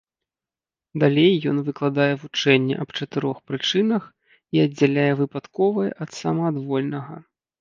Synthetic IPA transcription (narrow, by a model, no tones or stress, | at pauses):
d̪alʲejːɔnvɨklˠad̪ajɛvut͡ʂɛnʲːɛ̰ʔɐbt͡ʂɐt̪ɨɾɔxpɾɨt͡ʂɨnɐx | iɐdd͡zʲːalʲajɛvɨpat̪kɔvɐjʔɐt̪samɐːd̪vɔlʲnɐɣɐ̰